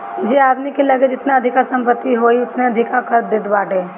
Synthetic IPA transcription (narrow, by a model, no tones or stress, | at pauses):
d͡ʒeaːd̪mikelɐɡed͡ʒɪt̪naɐd̪ʱɪkasɐ̃mpət̪ːiɦoːiʊt̪neɐd̪ʱɪkakəɾd̪ɪt̪baːʈeː